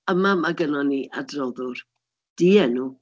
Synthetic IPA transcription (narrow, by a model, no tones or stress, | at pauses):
əmamaɡənɔniʔa̰drɔðʊr | d̥iɛnuː